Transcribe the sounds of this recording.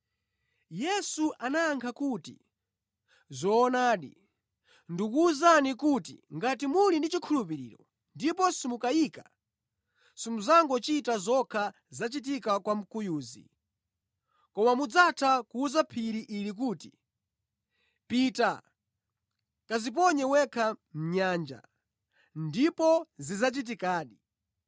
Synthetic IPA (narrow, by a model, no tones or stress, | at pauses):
jɛsuʔanaaŋkʰakuːtḭ | zɔːnaːɗi | ndukuːzanikutḭŋɡat̬imulindit͡ʃikʰulup̬iɾḭːɾɔ̰ | ndipɔsimukajiːka | simuzaŋɡɔt͡ʃitazɔkʰa | zat͡ʃit̬ikakwam̩kujuːzḭ | kɔmamud͡zatʰakuːzapʰiɾiʔilik̬uːti̥ | pita | kazip̬ɔɲɛwɛkʰam̩ɲaːnd͡ʒa̰ | ndipɔzizat͡ʃit̬ikaːɗi